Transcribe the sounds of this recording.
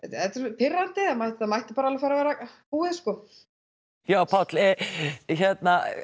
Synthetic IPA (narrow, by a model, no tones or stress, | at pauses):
ɛt̪ɛt̪ʏɾpʰɪrːant̪ɪamajht̪θaðmajht̪ɪpaːɾaalvafaːɾavɛːɾapuːɪðskɔː | jaːwpʰat̪lɛçɛt̪na